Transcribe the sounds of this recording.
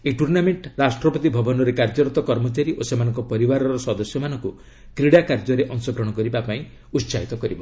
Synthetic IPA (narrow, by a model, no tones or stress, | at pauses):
eʈuɾnameɳʈɾasʈɾɔpɔt̪ibʱɔbɔnɔɾekaɾd͡ʒɔɾɔt̪ɔkɔɾmɔt͡ʃaɾiʔosemanɔŋkɔpɔɾibaɾɔɾɔsɔd̪ɔsjɔmanɔŋku | kɾiɽakaɾd͡ʒɔɾeʔɔŋsɔɡɾɔɽ̃ɔkɔɾibapaĩ | ut̪ːsaɦit̪ɔkɔɾibɔ